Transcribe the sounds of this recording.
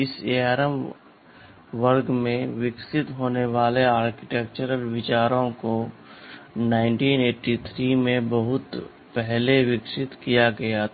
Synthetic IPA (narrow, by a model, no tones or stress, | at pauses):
ɪseaɾəm | ʋəɾɡmẽʋɪksɪt̪ɦoːneʋaːleaːɾkɪ̥ʈeːk̚t͡ʃəɾəlʋɪt͡ʃaːɾõko | naːɪ̃ɳʈiːneːʈit̪ʰɾimẽbɐɦʊt̪ | pɛɦleʋɪksɪt̪kijaɡɐja